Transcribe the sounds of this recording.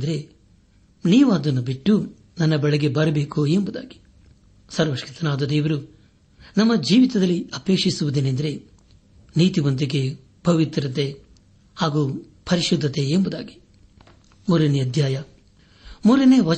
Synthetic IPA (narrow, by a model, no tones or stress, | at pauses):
d̪ɐɾe̞ | niːʋaːd̪ɐnːubiʈːu | nɐnːɐbɐɭɛɡe̞bɐɾɐbeːkuembud̪a̰ːɡi̥ | sɐɾʋɐʃkit̪ɐnaːd̪ɐd̪eːʋɐɾu | nɐmːɐd͡ʒiːʋit̪ɐd̪ɐlːiɐpeːkʂisuʋud̪eːnend̪ɐɾe̞ | niːt̪iʋɐnt̪̬iɡe̞ | bʱɐʋit̪ɾɐt̪e̞ | haːɡuː | pʰɐɾiʃud̪ʱːɐt̪e̞ːmbud̪a̰ːɡi̥ | muɾeneɐd̪ʱjaːjɐ | muɾɐneʋɐ